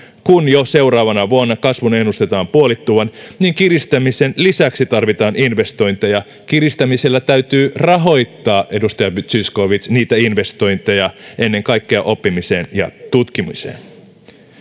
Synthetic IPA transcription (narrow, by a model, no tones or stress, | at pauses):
kunjose̞wɾɑːʋɑnɑʋuonːɑkɑsʋune̞nːust̪e̞t̪ɑːmpuolit̪ːuːʋɑnniːŋkirist̪æmisenlisæksit̪ɑrʋit̪ɑːninʋe̞st̪o̞jnt̪ejɑ | kirist̪æmise̞lːæt̪æyt̪yːrɑɦo̞jt̪ːɑːʔe̞dust̪ɑjɑbyt̪sysko̞ʋit̪sniːt̪æinʋe̞st̪o̞jnt̪ejɑʔe̞nːe̞ŋkɑjkːeɑʔo̞pːimiseːnjɑ̰t̪ut̪kimḭsḛːn